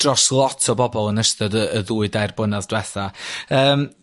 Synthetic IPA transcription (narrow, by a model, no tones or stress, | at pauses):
rɔslˠɔtʰɔbɔbɔlˠənəsθɔdəəðuːɨdajrbənaðd̥wɛθaəːm